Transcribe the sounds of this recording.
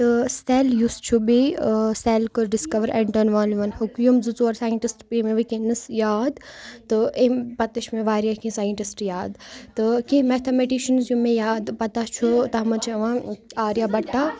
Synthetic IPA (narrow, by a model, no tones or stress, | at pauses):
t̪ɨst̪eljust͡ʃʰubiselkɨɾɖiskɐʋəɾɛɳʈɐnʋaːnliʋɐnhukjumzut͡soɐɾsaːjəɳʈisʈpiːmẽʋikẽnɨsjaːd̪t̪ɨʔempɐt̪ɐʃmẽʋaːɾjakĩsaːjəɳʈisʈjaːd̪t̪ɨkĩmet̪ʰɐmeʈiʃɐnzjumẽjaːd̪pɐt̪at͡ʃʰut̪ɐmɐt͡ʃʰiɐʋãaːɾjabɐʈːa